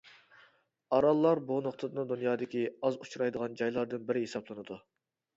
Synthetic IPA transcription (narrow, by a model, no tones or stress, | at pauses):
ɑɾɑlˠːɑɾbunoχt̪ʰɨd̪ɨnɨd̪unjɑːd̪ɪkʲiɑzut͡ʃʰuɾɑjd̪əʁɑnd͡ʒɑjlˠɑɾd̪ɨnbɪɾɪɦesɑblˠɨnɨd̪u